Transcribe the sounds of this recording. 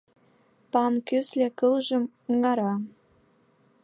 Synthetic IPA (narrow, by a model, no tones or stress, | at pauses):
pɑmkyslʲekɤlʒə̆m | ŋɑɾɑ